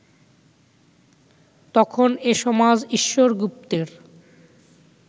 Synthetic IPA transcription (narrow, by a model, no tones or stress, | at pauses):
t̪ɔkʰoneʃɔmad͡ʑiʃːoɾɡup̚t̪eɾ